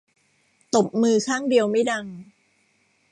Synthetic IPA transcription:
t̪o˨˩p̚mɯː˧kʰaː˥˩ŋdi˧əwma˥˩jda˧ŋ

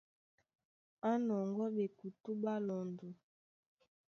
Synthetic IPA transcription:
a˦nɔ˨ŋɡɔ˦ɓe˨ku˨tu˦ɓa˦lɔ˨ndu˨

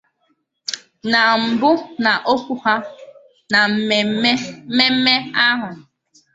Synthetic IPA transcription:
na˨m̩˨bʊ˦na˨ʔo˦kʷu˦ha˦ | na˨m̩˦e˨˦me˦m̩˦me˦a˦ɦʊ˨

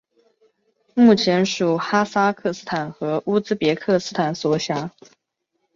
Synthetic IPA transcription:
mu˥˩t͡ɕʰjɛ˧˥nʂu˨˩xa˥sa˥kʰɤ˥˩sɹ̩˥˩t̪ʰa˨˩nxɤ˧˥ʔu˥t͡sɹ̩˥pjɛ˧˥kʰɤ˥˩sɹ̩˥t̪ʰa˨˩nswɔ˧˥ɕja˧˥

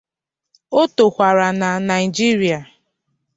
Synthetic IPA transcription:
o˦to˨kʷa˨ɾa˨na˨na˨ɪ˨d͡ʒi˦ɾi˨a˨

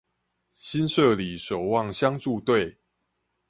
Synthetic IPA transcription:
ɕi˦nʂɤ˥˨li˨˩ʂo˨˩ʊwɑ˥˨ŋɕja˦ŋt͡su˥˧t̪we˥˨ɪ

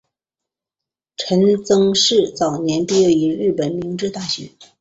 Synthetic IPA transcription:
ʈ͡ʂʰə˧˥nt͡sɤ˥ŋʂɻ̩˥˩t͡sɑ˨˩ʊnjɛ˧˥npi˥˧je˥˩ʊi˧˥ɻɻ̩˥˩pə˨˩nmi˧˥ŋʈ͡ʂɻ̩˥˧t̪a˥˩ɕɥɛ˧˥

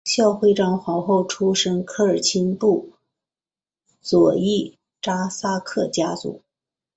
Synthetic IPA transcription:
ɕjɑ˥˧ʊxwe˥˧ɪʈ͡ʂɑ˥ŋxwɑ˧˥ʊxo˥˩ʊʈ͡ʂʰu˥ʂə˥ŋkʰɤ˥˩ə˞˨˩t͡ɕʰi˥npu˥˩ | t͡swɔ˨˩i˥˩ | ʈ͡ʂa˥sa˥kʰɤ˥˩t͡ɕja˥t͡sṵ˨˩˦

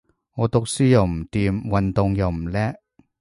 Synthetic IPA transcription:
ŋɔː˨˧t̪ʊ˨k̚siː˥jɐ˨wm̩˨˩t̪iː˨˧mwɐ˨nt̪ʊ˨˧ŋjɐ˨˩wm̩˨˩lɛː˥

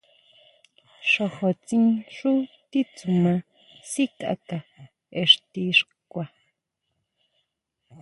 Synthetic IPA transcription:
ʂo˨xo˨t͡si˦ŋʂu˦t̪i˦t͡sumã | si˦kʼa̰ka˨ | eʂt̪i˦ʂkʷa˨

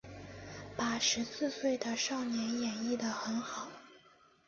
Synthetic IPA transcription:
pa˨˩ʂɻ̩˧˥sɹ̩˥˧swe˥˩ɪd̪ə˩ʂɑ˥˩ʊnjɛ˧˥njɛ˨˩ni˥˩d̪ə˩xə˧˥nxɑ˨˩˦ʊ

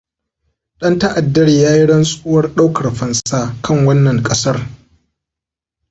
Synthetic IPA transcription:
ɗɐ˦ntɐ˦ʔa˨dːɐ˦rjaː˦ji˦ɽɐ˦nsʼuː˦wɐ˦rɗa˦wkʰɐ˨rɸɐ˨nsaː˦kʰɐ˦˨ŋwɐ˦nːɐ˨ŋkʼɐ˦sɐ˦r

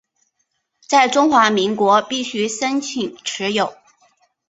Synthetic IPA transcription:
t͡sa˥˩ɪʈ͡ʂʊ˥ŋxwa˧˥mi˧˥ŋkwɔ˧˥pi˥˩ɕy˥sə˥nt͡ɕʰi˨˩ŋʈ͡ʂʰɻ̩˧˥jo˨˩˦ʊ

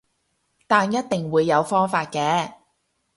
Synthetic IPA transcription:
t̪aː˨njɐ˥t̚t̪ɪ˨ŋwuː˨˧jːɐ˨˧wfɔː˥ŋfaː˧t̚kɛː˨˥

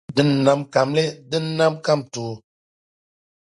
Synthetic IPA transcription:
dɨ˦nː˨a˦mka˨mle˦dɨ˦n˦na˦mka˦˨mtu˨˦

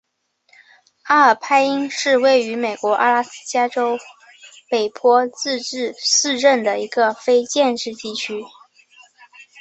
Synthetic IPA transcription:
a˥ə˞˨˩pʰa˥ɪi˥ŋʂɻ̩˥˧we˥˩ɪy˧˥me˨˩ɪkwɔ˧˥ʔa̰˥la˥sɹ̩˥t͡ɕja˥ʈ͡ʂo˥ʊ | pe˨˩ɪpʰwɔ˥t͡sɹ̩˥˧ʈ͡ʂɻ̩˥˧sɹ̩˥˧ʈ͡ʂə˥˩nd̪ə˩i˧˥ɡə˧fe˥ɪt͡ɕjɛ˥˧nʈ͡ʂɻ̩˥˧t̪i˥˩t͡ɕʰy˥

